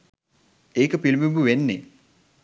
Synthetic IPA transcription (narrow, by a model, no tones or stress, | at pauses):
eːkəpilmimbuʋenːe